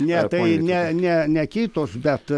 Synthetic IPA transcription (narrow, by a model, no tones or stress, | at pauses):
nʲɛt̪ɐɪnʲɛnʲɛnʲɛkʲiːt̪oːsbʲɛt̪